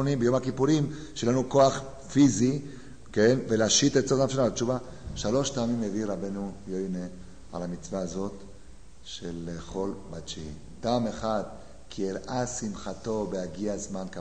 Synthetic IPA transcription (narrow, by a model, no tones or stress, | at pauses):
onimbejomhakipuʁim | ʃelanuko̞aχ | fizi | kenvelaʃit̪ett͡sodaf̬analat͡ʃuva | ʃalo̞ʃpaːmimːeviʁabenujojne | a̰lhamit͡svaːzo̞t̪ | ʃeleχo̞lbat͡ʃi | paːmeχad̪ | kʰieɾʔasimχat̪o̞behaɡiazmanka